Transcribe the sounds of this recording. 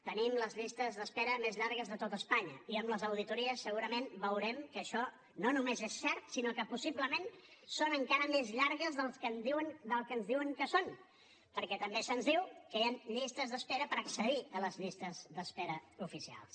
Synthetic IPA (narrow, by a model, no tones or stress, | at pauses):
t̪ənimləzʎist̪əzðəspɛɾəmezʎaɾɣəzðət̪ot̪əspaɲəiəmləzəwðit̪uɾiəsːəɣuɾəmenbəwɾɛmkəːʃɔ | nonumezesːɛɾt̪sinokəpusiβləmensonəŋkaɾəmezʎaɾɣəzðəlˠskənd̪iwəŋd̪əlˠkənzðiwəŋkəson | pəɾkɛt̪əmbesənzðiwkəeənʎist̪əzðəspɛɾəpəɾəksəðiələzʎist̪əzðəspɛɾəufisia̰lˠs